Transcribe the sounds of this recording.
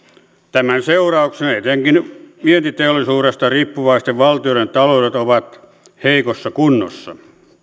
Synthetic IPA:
t̪æmænseurɑuksenet̪eŋkinʋient̪it̪eolːˑisuːɾest̪ɑriːpːuʋɑist̪eʋʋɑlt̪ioɾent̪ɑlouɾet̪oʋɑt̪ | heikosːɑkunːo̰sːɑ̰

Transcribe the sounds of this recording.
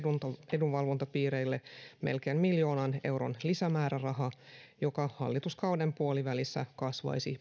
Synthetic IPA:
unt̪ɑeduʋʋɑlʋo̞nt̪ɑpiːɾe̞ilːeme̞̰lkeːmmiljo̞ːnɑne̞̰wɾo̞̰nlisæmæːɾærɑɦɑjo̞kɑhɑ̰lːit̪uskɑuwdempuoliʋælisːæ̰kɑsʋɑ̰jsḭ

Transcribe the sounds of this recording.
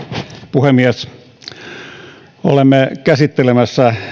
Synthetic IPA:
puhemːiæs | olemːekæsit̪ːelemæsːæ

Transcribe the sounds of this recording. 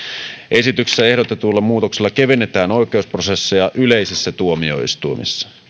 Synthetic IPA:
ʔe̞sit̪ykse̥sæe̞hɾot̪et̪uːlːɑmuːt̪okselːɑke̞ʋenːet̪æːno̞jk̟e̞usprose̞sːejɑʔyle̞isisːæt̪uomio̞̰ḭst̪uimḭsːɑ̥

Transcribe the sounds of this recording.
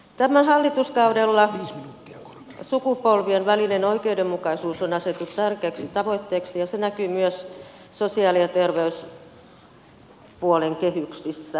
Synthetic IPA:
t̪æmænhɑlːit̪uskɑudelːɑiːsminut̪ːiɑko̥r | sukupolʋienʋælilenoikeudemmukɑisuːsonɑset̪ːut̪t̪ærkeːksit̪ɑʋoit̪ːeːksijɑsenækyːmyøs | sosiɑːlijɑt̪erʋeys | puoleŋkehyksisːæ

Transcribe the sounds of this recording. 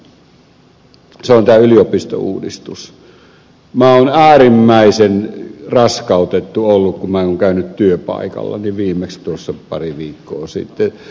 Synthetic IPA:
seont̪æːyliopist̪o̰ṵːdḭst̪us | mæonæːrimːæˑisenrɑskɑˑut̪et̪ːuolːukkumæeoŋkæˑynyt̪t̪yøpɑ̰ˑikɑ̰lːɑ̰niʋiːmːˑekst̪uosːɑpɑ̰riʋiːkːo̰ːsḭt̪ːe

